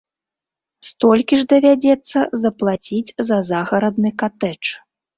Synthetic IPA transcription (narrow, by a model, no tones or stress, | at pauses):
st̪ɔlʲkʲiʐd̪ɐvʲad͡zʲɛt̪sːɐzɐplˠat͡sʲid͡zʲzɐzaɣɐɾɐd̪nɨkat̪ɛt͡ʂ